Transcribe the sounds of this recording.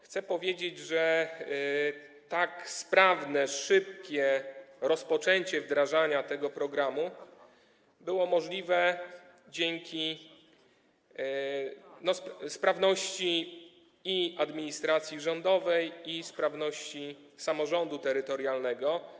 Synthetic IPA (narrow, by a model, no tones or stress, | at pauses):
xt̪sɛpɔvʲjed͡ʑed͡ʑʐɛ | t̪akspɾavnɛʂɘp̚kʲɛɾɔspɔt͡ʂɛɲt͡ɕɛvd̪ɾaʐaɲat̪ɛɡɔpɾɔɡɾamu | bɘwɔmɔʐlʲivɛ | d͡ʑeŋkʲi | nɔsspɾavnɔɕt͡ɕiː | iad̪mʲiɲist̪ɾat̪sʲjiʐɔnd̪ɔvɛjispɾavnɔɕt͡ɕi | samɔʐɔnd̪ut̪ɛɾɘt̪ɔɾjalnɛɡɔ